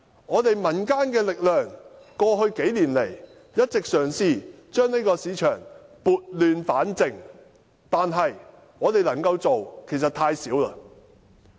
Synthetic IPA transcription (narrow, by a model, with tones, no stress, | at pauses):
ŋɔː˨˧t̪e˨jmɐ˨˩nkaː˥nkɛː˧lɪ˨k̚lœː˨˩ŋ | kɔː˧ɦɵ˧ɥke˨˥jliː˨˩nle˨˩j | jɐ˥t̚t͡sɪ˨k̚sœː˨˩ŋsiː˨ | t͡ʃœː˥ŋne˥kɔː˧siː˨˧t͡ʃʰœː˨˩ŋpuː˨t̚lyː˨˧nfaː˨˥nt͡sɪ˨˩ŋ | t̪aː˨nɦɐ˨j | ŋɔː˨˧t̪e˨jlɐ˨˩ŋkɐ˧wt͡so˨wkʰe˨˩js̬ɐ˨t̪ʰaː˧jsiː˨˥wlɐ˧